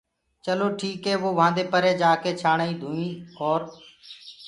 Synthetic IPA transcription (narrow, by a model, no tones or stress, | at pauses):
t͡ʃəloːʈʰiːkɦeːʋoːʋãːnd̪eːpəɾeːd͡ʒaːkeːt͡ʃʰaːɳaːĩːd̪ʱuːĩːoːɾ